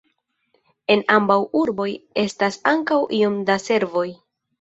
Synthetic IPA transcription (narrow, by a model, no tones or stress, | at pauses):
e̞nambawuɾbo̞je̞stasaŋkawʔio̞mdase̞ɾvo̞j